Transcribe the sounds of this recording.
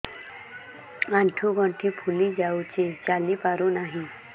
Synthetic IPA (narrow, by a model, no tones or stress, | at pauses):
ãɳʈʰuɡʱɔ̃ɳʈʰipʰulid͡ʒaut͡ʃet͡ʃalipaɾonaɦĩ